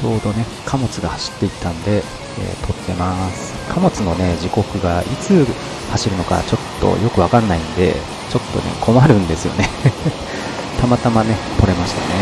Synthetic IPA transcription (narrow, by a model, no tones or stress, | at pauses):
t͡ɕo̞ːd̪o̞ne̞ | kʰamo̞t͡sɨɡahaɕi̥t̪ːe̞it̪ːãnd̪e̞ | ḛːt̪ʰo̞t̪ːe̞masɨ̥kʰamo̞t͡sɨno̞ne̞d͡ʑiko̞kɯ̟ɡait͡sɨ | haɕiɾɯ̟no̞ka̰t͡ɕo̞t̪ːo̞̰jo̞kɯ̟βakanːaĩnd̪e̞̰ | t͡ɕo̞t̪ːo̞̰ne̞̰kʰo̞maɾɯ̟̃nd̪e̞sɨjo̞̰ne̞ | t̪amat̪amane̞ | p̪o̞ɾe̞maɕi̥t̪ane̞